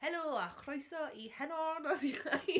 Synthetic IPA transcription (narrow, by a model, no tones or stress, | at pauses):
hɛloːaχrɔjsɔihɛnɔnɔsiχnaj